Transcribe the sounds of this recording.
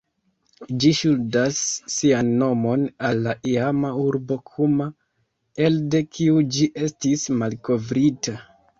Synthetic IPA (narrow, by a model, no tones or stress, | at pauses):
d͡ʒiʃuldasːianːo̞mo̞nalːaʔiamauɾbo̞kʰuma | e̞lde̞kʰiud͡ʒiʔe̞stismalko̞vɾita